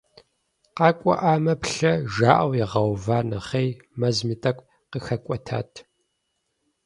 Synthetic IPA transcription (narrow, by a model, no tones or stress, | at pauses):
qɑːkʷʼɔ̰ʔaːmɐpɬɐʒaːʔɐwjɛʁɐwvaːnɐχej | mɐzmitʼɐkʷʼ | qəxɐkʷʼɔtʰa̰ːtʰ